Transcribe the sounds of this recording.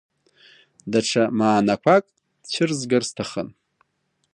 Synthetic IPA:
daʈ͡ʂʰamaːnakʷʰakʼ | t͡ɕʰɪrzɡarstʰaχə̰n

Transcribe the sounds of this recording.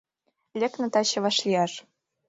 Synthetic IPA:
lʲĕknɤ̆t̪ɑɕɤ̆βɑʃlʲiɑʃ

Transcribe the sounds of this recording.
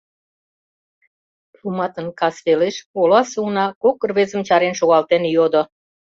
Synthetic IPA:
plumɑt̪ənkɑsβeleʃolɑsunɑkokːərβezə̆mt͡ɕɑɾenʃoɣɑlt̪enjod̪o

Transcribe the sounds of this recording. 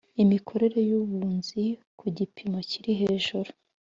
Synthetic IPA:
imikʰo̞ɾe̞ɾe̞juβuːnzikʰuɟipʰimo̞ciɾiɦe̞ːʒuɾu

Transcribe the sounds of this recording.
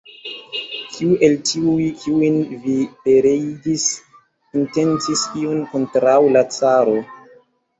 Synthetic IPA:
kʰiuʔe̞ltiujkʰiujinvipe̞ɾejdis | inte̞nt͡sisiunko̞ntɾawlat͡saɾo̞

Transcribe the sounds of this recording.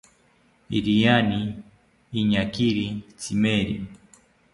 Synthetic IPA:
iɾijaniː | ɲakiɾit͡simeɾḭ

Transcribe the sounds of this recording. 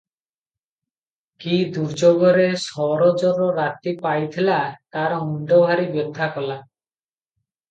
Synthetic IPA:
kid̪uɾd͡ʒɔɡɔɾesɔɾɔd͡ʒɔɾɔɾat̪ipajt̪ʰilat̪aɾɦuɳɖɔbʱaɾibjɔd̪ʱːakɔla

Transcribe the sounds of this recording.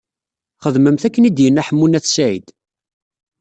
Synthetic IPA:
χəðməmθækːənid̪jənːæħəmːunæθsæʕḭd̪̥

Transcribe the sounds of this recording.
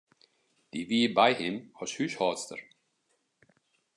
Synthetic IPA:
d̪̥iviːbajhɪmhɔʃhyʃhɑːst̪ə̰ɾ

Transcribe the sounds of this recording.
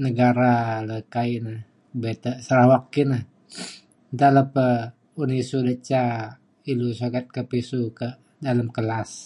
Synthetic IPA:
nəɡaɾaləkainah | bet̪əsəɾahwak̚ːinah | t̪aləpə | unisudət͡ʃa | ilusoɡat̪̚kəpisukə | daləmkəlas

